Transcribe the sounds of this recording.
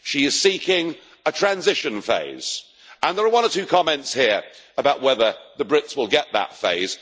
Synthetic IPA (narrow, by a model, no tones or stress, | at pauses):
ʃiɪz̥siˑkɪ̃ŋ | ətʰɹ̥æ̃nzɪʃə̃nfḛɪz̥ | ə̃nðəɹəwʌ̃nətʰʉːkʰɒmɛ̃ntshiəɹəbaʊʔwɛðəðəbɹɪtswɪlˠɡɛʔðə̰tfḛɪz̥